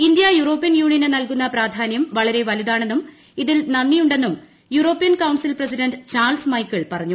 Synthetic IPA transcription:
indijɐjuro̞ːpːijɐnjuːɳijɐnenɐlkunːɐpraːd̪ʱaːnjɐmʋɐɭɐɾe̞ʋɐluðaːɳenːum | iðilnɐnːijuɳɖe̞nːum | juro̞ːpːijɐnkɐwɳsilprɐsiɖɐnɖɨt͡ɕaːrlsmɐjkːɐɭpɐrɐɲːu

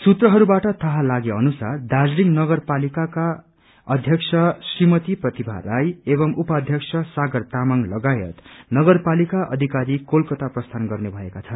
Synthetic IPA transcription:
sut̪rʌɦʌɾubaʈʌt̪ʌɦalaɡeʌnusard̪ad͡zliŋnʌɡʌrpalikaka | ʌd̪ʱjʌksʰʌsrimʌt̪iprʌt̪ibʱa̰lajebʌmʔupad̪ʱjʌksʰʌsaɡʌrt̪amaŋlʌɡajʌ̰t̪nʌɡʌrpalikaʔʌ̰d̪ʱikaɾikolkʌt̪aprʌst̪ʰanɡʌrnebʱʌekat͡sʰʌn

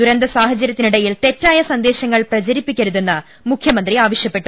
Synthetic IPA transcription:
d̪uɾɐnd̪ɐsaːɦɐt͡ɕɐɾɐt̪ːiniɽɐjilt̪e̞tːaːjɐsɐnd̪e̞ːɕɐŋːɐɭprɐd͡ʑɐɾipːikʲːɐɾuðe̞nːɐ | mukʰjɐmɐnd̪riaːʋɐʂjɐpːe̞ʈːu

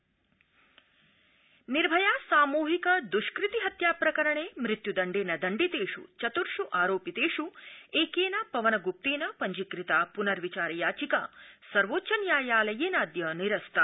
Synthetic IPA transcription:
niɾbʱɐjaːsaːmuːɦikɐd̪uʃkɾit̪iɦɐt̪jaːpɾɐkɐɾɐɳeːmɾit̪jud̪ɐɳɖeːnɐd̪ɐɳɖit̪eːʂṵt͡ʃɐt̪uɾʃuʔaːɾoːpjit̪eːʂueːkeːnɐpɐʋɐnɐɡup̚t̪eːnɐpɐɲd͡ʒikɾit̪aːpunɐɾʋit͡ʃaːɾɐjaːt͡ʃikasɐɾʋoːtːt͡ʃɐnjaːjaːlɐjeːnaːd̪jɐniɾɐst̪ʰɐ

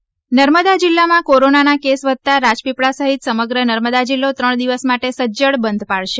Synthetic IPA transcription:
nəɾməd̪ad͡ʒilːamãkoɾonanakesʋəd̪̚t̪aɾad͡ʒpipɭasəɦit̪səməɡɾənəɾməd̪ad͡ʒilːot̪ɾəɳd̪iʋəsmaʈesəd͡ʒəɭbənd̪ʱpaɭʃe

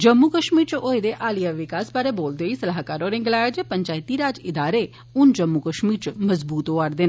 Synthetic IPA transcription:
d͡ʒəmːukəʃmiːɾt͡ʃojed̪eʔaːlijaʋɪkaːspaɾeboːld̪eisɐlaɦkaːɾoɾɪ̃ŋɡlaːd͡ʒepəɲt͡ʃaːjt̪iɾaːd͡ʒɪd̪aːɾe | und͡ʒəmːukəʃmiːɾt͡ʃməzbuːt̪oaɾd̪en

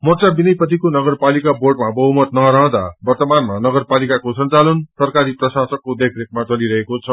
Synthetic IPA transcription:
mʌt͡sabinʌjpʌt̪ikonʌɡʌrpalikaborʈmabʌɦumʌt̪nʌɾʌɦʌ̃d̪a̰bʌrt̪ʌmanmanʌɡʌrpalikakosʌnt͡salʌnsʌrkaɾiprʌsasʌkːod̪ekʰrekmat͡sʌliɾʌɦekot͡sʰʌ

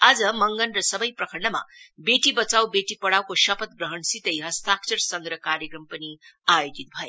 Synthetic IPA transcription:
ad͡zʌmʌŋɡʌnrʌsʌbʌjprʌkʰʌɾnʌma̰beʈibʌt͡sawbeʈipʌɽawkoʃʌpʌt̪̚ɡrʌɦʌɳsit̪ʌjɦʌst̪ʰak̚t͡sʌɾsʌŋɡɾʌkaɾjʌkrʌmpʌniajod̪it̪̚bʱʌe

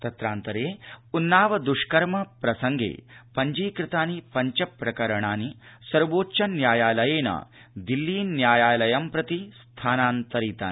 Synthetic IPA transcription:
t̪ɐt̪ɾaːnt̪ɐɾeːunːaːʋɐd̪uʂkɐɾmɐpɾɐsɐŋɡʱḛːpɐɲd͡ʒiːkɾɪt̪aːnipɐɲt͡ʃɐpɾɐkɐɾɐɳaːnisɐɾʋoːt͡ʃɐnjaːjaːlɐjeːnɐ̰ | d̪ilːiːnːjaːjaːlɐjɐmpɾɐt̪ist̪ʰaːnaːnt̪ɐɾiːt̪a̰ːn

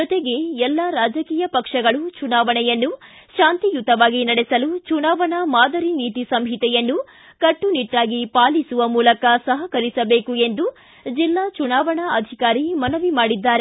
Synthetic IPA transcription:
d͡ʒɔt̪eɡe̞ɛlːaɾaːd͡ʒɐkiːjɐpɐkʂɐɡɐɭut͡ʃunaːʋɐɳɛjɐnːu | ʃaːnt̪ijut̪ɐʋaːɡinɐɽesɐlut͡ʃunaːʋɐɳɐmaːd̪ɐɾiniːt̪isɐmɦit̪ɛjɐnːu | kɐʈːuniʈːaːɡipaːlisuʋɐmuːlɐkɐsɐɦɐkɐɾisɐbeːkue̞nd̪u | d͡ʒilːaːt͡ʃunaːʋɐɳɐɐd̪ʱikaːɾimɐnɐʋimaːɽid̪ːaːɾe

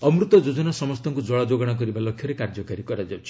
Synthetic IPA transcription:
ɔmɾut̪ɔd͡ʒod͡ʒɔnasɔmɔst̪ɔŋkud͡ʒɔɭad͡ʒoɡɔɽ̃ak̬ɔɾibalɔkʰːjɔɾekaɾd͡ʒɔkaɾikɔɾad͡ʒawt͡ʃʰi̥

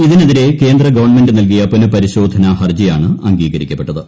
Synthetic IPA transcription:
iðineðiɾe̞ke̞ːnd̪rɐɡɐʋɐrɳme̞ndɨnɐlk̬ijɐponɨpɐɾiɕo̞ːd̪ʱɐnɐhɐrd͡ʑijaːɳɨɐŋɡiːɣɐɾikʲːɐpːe̞ʈːɐðɨ

